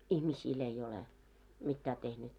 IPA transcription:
ihmisiːl ei ole mitːæː tehnyt

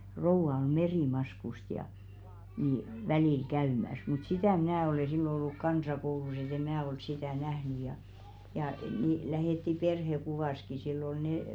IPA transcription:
rouʋɑ om̆ meriˑmɑskust jɑ ni ʋæliˑl kæymæs mut sitæˑ mĭnæˑ ole silːo olːuk kɑnsɑkoulus et e mæː ol sitæˑ næhny jɑ jɑˑ niˑ læheˑtːi perhekuʋɑˑski silː ol neˑ

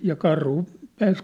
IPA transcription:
jɑ kɑrhu pæːs

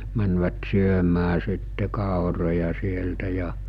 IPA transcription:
mænʋæt syømæː sitːe kɑˑorojɑ sieltæ jɑ

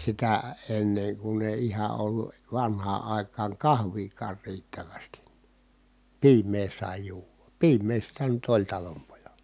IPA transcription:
sitæ enːeŋ kun eˑi ihɑ olːu ʋɑnhɑː ɑˑi̯kɑːŋ kɑhʋiːkɑːr riːtːæʋæsti piːmˑeː sɑˑi juːʋɑ piːmˑeː sitæ nyt olʲ tɑlompojɑl̥ɑ̥

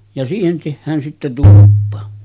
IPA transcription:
jɑ siːhen tehːæːn sitːe tulupːɑ

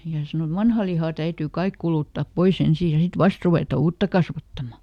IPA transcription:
jɑ se sɑno et ʋɑnhɑ lihɑ tæytyː kɑik kuluˑtːɑˑp pois ensiː jɑ sit ʋɑst ruʋeˑtɑ uːtːɑ kɑsʋɑtːɑmɑ

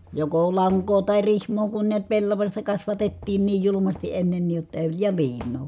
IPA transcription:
joko lɑŋkoː tɑˑi rihmˑoː kun niæt pelːɑʋɑsʲtɑ kɑsʋɑtetːiːn niːj julumɑsti ʔenːenːiˑj jotːɑ e jɑ liːnˑoː

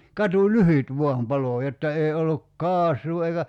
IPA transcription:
kɑtulyhyt ʋo̝ɑm pɑloˑ jotːɑ ei olːuk kɑːsˑuː eikæ

